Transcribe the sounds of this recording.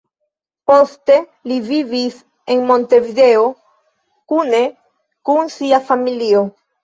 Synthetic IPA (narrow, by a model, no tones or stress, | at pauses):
po̞ste̞ | livivis | e̞nmo̞nte̞vide̞o | kune̞ | kunsiafamilio̞